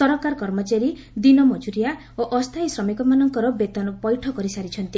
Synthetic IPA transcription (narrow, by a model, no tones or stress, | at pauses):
sɔɾɔkaɾkɔɾmɔt͡ʃaɾi | d̪inɔmɔd͡ʒuɾija | oʔɔst̪ʰajsɾɔmikɔmanɔŋkɔɾɔbet̪ɔnɔpɔjʈʰɔkɔɾisaɾit͡ʃʰʌnt̪i